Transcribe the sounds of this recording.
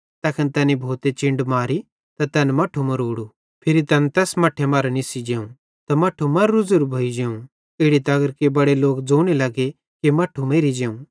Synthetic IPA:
t̪ɐkʰənt̪ɛːnibʱoːt̪et͡ʃɪ̃ɳɖmaːɾi | t̪ɐt̪ɛnmɐʈʰumɐɾoːɽu | pʰɪɾit̪ɐnt̪ɛːsmɐʈʰːemɐɾnɪsid͡ʒeːũ | t̪ɐmɐʈʰumɐɾːʊd͡zuɾbʱoid͡ʒeːũ | ɪːɽit̪ɐɡəɾkebɐɽeloːkd͡zoːɽ̃ilɐɡe | kimɐʈʰːumeːɾid͡ʒeːũ

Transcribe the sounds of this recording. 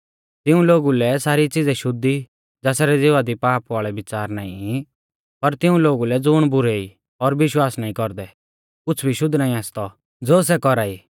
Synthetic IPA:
t̪ɪũloːɡulɛsaːɾit͡sɪd͡zɛʃʊd̪ːi | d͡zɛːsaɾɛd͡zɪʋad̪ipaːpʋaːɭɛʋɪt͡saːɾna̰ːḭ̃ | pɐɾt̪ɪ̃ũloːɡulɛd͡zʊːɽ̃bʊɾei | ɔɾʋɪʃwaːsnaːĩkɔɾd̪ɛ | kʊt͡sʰbʱiʃʊd̪ʱːnaːĩaːst̪ɔ | d͡zoːs̬ɛkɔɾaːiː

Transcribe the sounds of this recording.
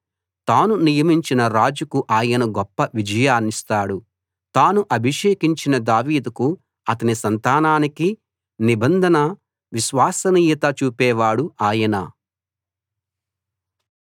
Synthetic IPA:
t̪aːnunijɐmiɲt͡ʃinɐɾaːd͡ʒukuʔaːjɐnɐɡɔpːɐʋid͡ʒɐjaːnist̪aːɽu | t̪aːnuʔɐbʱiʂeːkiɲt͡ʃinɐd̪aːʋiːd̪uku | ɐt̪ɐnisɐnt̪aːnaːniki | nibɐnd̪ʱɐnɐ | ʋiʃʋaːsɐniːjɐt̪ɐt͡ʃuːpɛːʋaːɽuaːjɐnɐ̰

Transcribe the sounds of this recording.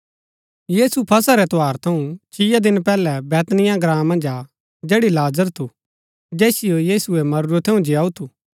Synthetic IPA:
jiːsupʰɐsaɾɛt̪ʊaːɾt̪ʰɐũt͡ʃʰɪjad̪ɪnpɛːlɛbɛːt̪nɪjãɡɾãːmːɐ̃nd͡ʒaː | d͡ʒeːɽilaːzəɾt̪ʰu | d͡ʒɛːsɪjojiːsuɛmɐɾʊɾot̪ʰeũd͡ʒɪaːut̪ʰuː

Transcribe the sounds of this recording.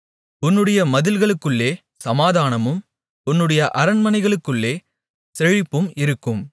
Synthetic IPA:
ʊnːɯɽɐjɐmɐðɪlɣɐɭɯkːɯɭːeː | sɐmaːðaːnɐmɯm | ʊnːɯɽɐjɐʔɐɾɐnmɐnɐɪɣɐɭɯkːɯɭːeː | sɛɻɪpːɯmɪɾɯkːɯm

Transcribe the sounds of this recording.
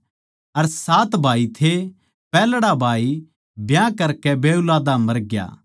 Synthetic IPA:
ɐɾsaːt̪bʱaːit̪ʰe | pɛːlɽabʱaːi | bjãkɐɾkɛbeːʊlaːd̪amɐɾɡja̰ː

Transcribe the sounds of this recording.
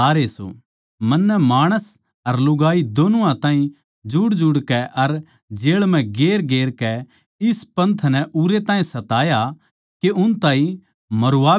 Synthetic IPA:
aːɾeːso̰ | mɐnːɛmaːɽ̃əs | ɐɾlʊɡaːid̪oːnuãt̪ãːɦĩ | d͡ʒʊɽd͡ʒʊɽkɛʔɐɾ | d͡ʒeːɭmɛ̃ɡeːɾɡeːɾkɛ | ɪspɐ̃nt̪ʰnɛʔuɾet̪ãːɦĩsɐt̪aːja | keʔʊnt̪ãːɦĩ | mɐɾʊaː

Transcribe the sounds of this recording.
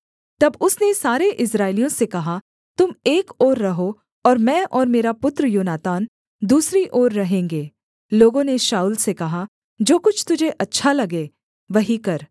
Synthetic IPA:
t̪ɐbʊsnesaːɾeʔɪsɾaːɪlijõsekɐɦa | t̪ʊmeːkɔːɾːɐɦo | ɔːɾmɛ̃ːʔɔːɾmeːɾapʊt̪ɾəjoːnaːt̪aːn | d̪uːsɾiʔoːɾːɐɦẽːŋɡeː | loːɡõneʃaːuːlsekɐɦa | d͡ʒoːkʊt͡ʃʰt̪ʊd͡ʒʱeʔɐtːʃʰalɐɡeː | ʋɐɦikɐɾ

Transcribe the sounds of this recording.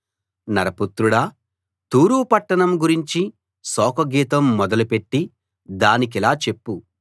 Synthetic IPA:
nɐɾɐput̪ɾuɽɐ | t̪uːɾuːpɐʈːɐɳɐmɡuɾiɲt͡ʃi | sɔːkɐɡiːt̪ɐmːɔd̪ɐlupe̞ʈːi | d̪aːnik̬ilaːt͡ʃe̞pːu

